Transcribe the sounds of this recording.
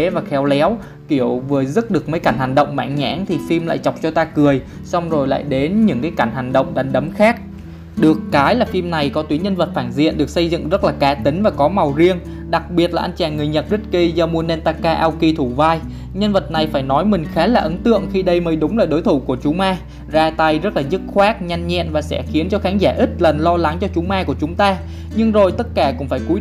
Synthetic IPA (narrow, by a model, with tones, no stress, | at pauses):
e˨˦vaː˨˩xɛ˨˦wlɛ˨˦w | ki˧˩əwvɨ˨˩əzɨ˦˥t̚ɗɨ˨˩ək̚mə˨˦jka˧˩nha˨˩ŋ̟ɗə̰˧˨wŋ͡mma̰ː˧˩ŋɲa̰ː˧˥ŋt̪ʰi˨˩fi˧mla̰ː˧˨jt͡ɕa˨˩wk͡p̚t͡ɕɔ˧t̪aː˧kɨ˨˩əj | sa˧wŋ͡mzo˨˩jla̰ː˧˨jɗe˨˦nɲɨ̰˧˥ŋkaː˨˦jka˧˩nɦa˨˩ŋ̟ɗə̰˧˨wŋ͡mɗa˨˩nɗə˨˦mxaː˦˥k̚ | ɗɨ˨˩əkːaː˨˦jlaː˨˩fi˧mna˨˩jkɔ˨˦t̪wi˨˦ɲə˧nvə˨˩t̚faː˧˩nzḭ˧˨ənɗɨ˨˩ək̚sə˧jzɨ̰˧˨ŋzə˦˥t̚laː˨˩kaː˨˦t̪ï˨˦ŋ̟vaː˨˩kɔ˨˦ma˨˩wzi˧əŋ | ɗa˨˩k̚ɓi˨˩ət̚laː˨˩ʔa˧nt͡ɕaː˨˩nŋɨ˨˩əjɲə˨˩t̚zə˦˥t̚ki˧zaː˧mu˧ənɛ˧nt̪aː˧kaː˧ʔaː˧wki˧t̪ʰu˧˩vaː˧j | ɲə˧nvə˨˩t̚na˨˩jfaː˧˩jnɔ˨˦jmï˨˩ŋ̟xaː˨˦laː˨˩ʔə˨˦nt̪ɨ̰˧˨əŋxi˧ɗə˧jməː˨˦jɗʊ˨˦ŋ͡mlaː˨˩jɗo˨˦jt̪ʰu˧˩ku˧˩ət͡ɕʊ˨˦ŋ͡mʔaː˧ | zaː˧t̪a˧jzə˦˥t̚laː˨˩zɨ˦˥k̚xwaː˦˥k̚ɲa˧jŋɲɛ̰˧˨nvaː˨˩sɛ̰˧˥xi˨˦ənt͡ɕɔ˧xaː˨˦nzaː˧˩ʔi˦˥t̚lə˨˩nlɔ˧la˨˦ŋt͡ɕɔ˧t͡ɕʊ˨˦ŋ͡mʔaː˧ku˧˩ət͡ɕʊ˨˦ŋ͡mt̪aː˧ | ɲɨ˧ŋzo˨˩jt̪ə˦˥t̚kaː˧˩kʊ̰˧˥ŋ͡mfaː˧˩jku˨˦